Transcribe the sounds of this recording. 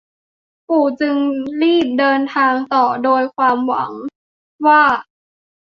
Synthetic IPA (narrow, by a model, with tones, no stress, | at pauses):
pʰuː˨˩t͡ɕɯ˧ŋɾiː˥˩p̚dɤː˧nt̪ʰaː˧ŋt̪ɔː˨˩doː˧jkʰwaː˧mwa̰˩˦ŋ | waː˥˩